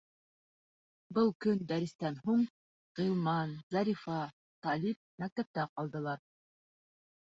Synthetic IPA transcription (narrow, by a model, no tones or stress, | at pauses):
bɤlˠkɵnd̪æɾɘ̆st̪ænɦuɴ | ʁilˠmɑnzɑɾifɑ | t̪ɑlʲip̚mæk̚t̪æp̚t̪æqɑlˠd̪ɤ̆lˠɑɾ